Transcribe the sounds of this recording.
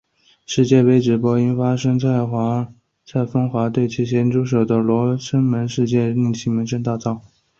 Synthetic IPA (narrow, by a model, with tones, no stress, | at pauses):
ʂɻ̩˥˧t͡ɕjɛ˥˩we˧˥ɪʈ͡ʂɻ̩˨˩pwɔ˥i˥nfa˥ʂɤ˥ŋt͡sʰa˥˩ɪxwa˧˥ | t͡sʰa˥˩ɪfɤ˥ŋxwa˧˥t̪we˥˩ɪt͡ɕʰi˧˥ɕjɛ˧˥nʈ͡ʂu˥ʂ̬o˨˩ʊd̪ə˦lwɔ˧˥ʂʰə˥ŋmə˧˥nʂɻ̩˥˧t͡ɕjɛ˥˧li˥˩ŋɕʰi˧˥ŋmə˧˥nʂə˥nt̪a˥˧t͡sɑ˥˩ʊ